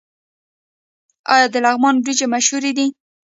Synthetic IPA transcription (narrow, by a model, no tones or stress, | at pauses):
ɑjɑd̪əlaɣmɑnbɾid͡ʒemaʃhuɾed̪i